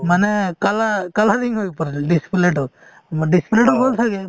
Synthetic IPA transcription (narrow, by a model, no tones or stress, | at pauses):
manɛkalakalaɾiŋɦojpɔɾɖisi̥pleʈɔ | maɖisi̥pleʈɔɡɔlt̪ʰaɡɛ